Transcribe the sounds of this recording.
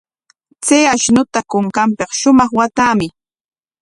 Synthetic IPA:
t͡sejaʃnʊt̪akʊŋkampeχʃʊmɑχwat̪aːmɪ

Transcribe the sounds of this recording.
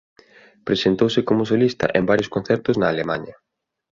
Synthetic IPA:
pɾesent̪owsɪkomʊsolist̪ɐ̰ʔembaɾjoskon̟θɛɾt̪ʊznɐːlemaɲɐ

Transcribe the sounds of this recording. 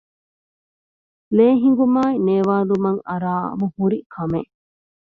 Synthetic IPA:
leːɦiŋɡumaːineːʋaːlumɐŋɐɾaːɐ̰muhuɾikʰɐme

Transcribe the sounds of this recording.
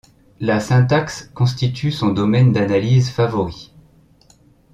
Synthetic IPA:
lasɛ̃t̪akskɔ̃st̪it̪ʰysɔ̃d̪ɔmɛnd̪analizfavɔʁi

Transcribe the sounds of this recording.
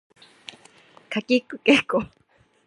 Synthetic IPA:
kʰakikɨkeko

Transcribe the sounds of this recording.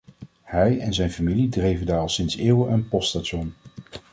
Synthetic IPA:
hɛjɛnzɛjnfamilidrejvəndaːɹɑlˠsɪnseːwəʔənpɔststatʃɔn

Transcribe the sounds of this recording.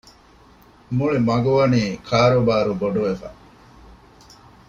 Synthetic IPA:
muɭimɐɡuʋɐniːkʰaːɾobaːɾuboɖuʋefa̰

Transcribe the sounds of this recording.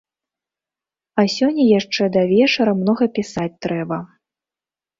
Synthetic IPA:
ɐsʲɔnʲːɐjaʂt͡ʂɛd̪ɐvʲɛt͡ʂɐɾɐmnɔɣɐpʲisat͡sʲt̪ɾɛbɐ

